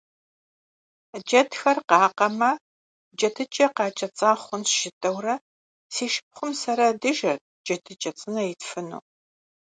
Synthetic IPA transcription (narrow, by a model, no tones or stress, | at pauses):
d͡ʒɐtxɐrqɑːqɐmɐ | d͡ʒɐtʰɨt͡ʃʼɐqɑːt͡ʃʼɐt͡sʼaːχʷʊnsʒ̥ɪtʼɐwrɐ | seːʃɪ̥p̚χʷʊmsɐɾɐdɨʒɐ | d͡ʒɐtʰɨt͡ʃʼɐt͡sʼɨnɐjɛtfɨnṵː